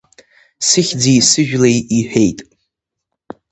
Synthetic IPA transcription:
sɨχʲd͡zijsɨʒᶣlejiħᶣejtʼ

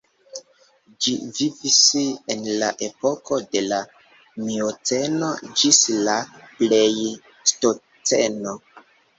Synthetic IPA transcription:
d͡ʒivivisenlaʔepo̞kʰo̞de̞la | miot͡senod͡ʒislaplej | sto | t͡seno

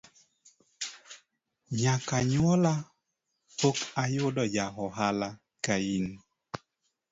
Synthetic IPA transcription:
ɲakaɲwɔla | pokajʊdɔjaɦɔɦala | kain

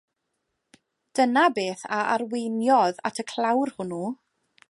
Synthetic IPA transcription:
d̥ənabeːθaʔarwejnjɔða̰tʰəkʰl̥ˠawrhʊnu

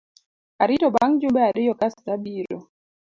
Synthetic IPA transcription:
aɾitɔbaŋd͡ʒubɛaɾɪjɔkastabiɾɔ̰

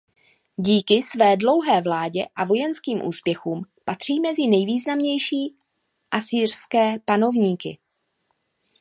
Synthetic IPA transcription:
ɟiːkɪsvɛːdlo̞wɦɛːvlaːɟɛʔavo̞jɛnskiːmʔṵːspjɛxuːmpat̪r̝̥iːmɛzɪnɛjviːznamɲɛjʃiː | ʔasiːrskɛːpano̞vɲiːkɪ̰

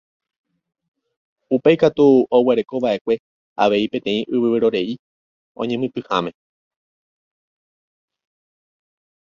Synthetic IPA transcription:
upe̞jkat̪uoweɾe̞ko̞βaʔe̞kʷe̞ | a̰ʋe̞ipẽ̞t̪ẽ̞ĩʔɨβɨβɨɾo̞ɾe̞i | õ̞̰ɲẽmɨ̃t̪ɨhamẽ̞

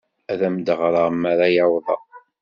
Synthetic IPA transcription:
æðæmd̪əʁɾˤɑmːaɾajawðˤɑ̰

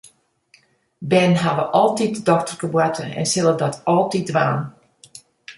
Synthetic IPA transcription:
bɛnɦaʋəʔɔlˠtit̚dədɔktərkəbwatʰəɛ̰nsɪlˠədɔtʰɔlˠtit̚dʋaːn

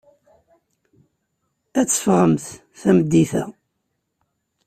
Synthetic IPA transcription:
æt͡sːə̥fʁəmθ | θæməd̪ːiθæ̰

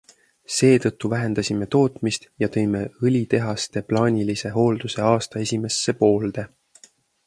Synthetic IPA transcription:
se̞ːt̪ɤt̪ːuvæɦe̞nd̪̥ɑsʲime̞t̪o̞ːt̪mist̪jɑt̪ɤ̞jme̞ɯlʲit̪e̞ɦɑst̪e̞plɑːnʲilise̞ɦo̞ːld̪̥use̞ɑːst̪ɑe̞sʲime̞sːe̞po̞ːld̪̥e̞

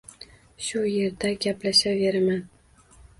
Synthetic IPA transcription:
ʃʊje̞ɾd̪aɡʲaplaʃave̞ɾaman

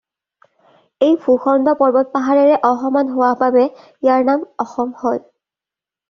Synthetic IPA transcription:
ejbʱuxɔndɔpɔɹbɔt̚paɦaɹɛɹɛʔɔxɔmanɦowababɛ | jaɹnamɔxɔmhoj

